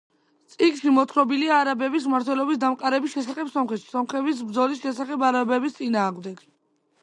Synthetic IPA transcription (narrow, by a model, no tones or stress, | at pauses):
t̪sʼikʃimɔt̪ʰɾɔbiliaːɾabɛbis̬maɾt̪ʰwɛlɔbisd̪amqʼaɾɛbisʃɛsaχɛbsɔmχɛt̪ʃi̥sɔmχɛbis̬bɾd̪zɔlisʃɛsaχɛbaɾabɛbist̪sʼinaːʁmd̪ɛɡ̥